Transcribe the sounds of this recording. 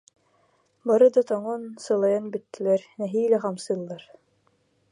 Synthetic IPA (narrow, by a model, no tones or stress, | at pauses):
bɑɾɤd̪ɑt̪ɑɴonsɤ̆lˠɑjɑnbɘ̆t̪ːɘ̆læɾnæɦijlæχɑmsɤ̆lˠːɑɾ